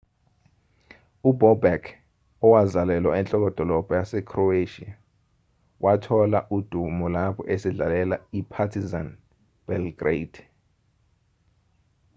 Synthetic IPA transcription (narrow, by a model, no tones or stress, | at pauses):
ubɔbɛkʰ | ɔwazalɛlwaɛnt͡ɬʼɔk̬ɔd̥ʱɔlɔb̥ʱɔjasɛkʰrɔeʃḭa | wʔatʰɔlaʔud̥ʱumɔlapʰɔʔesiɮalɛlaipʰatʰizan | b̥ɛlɡred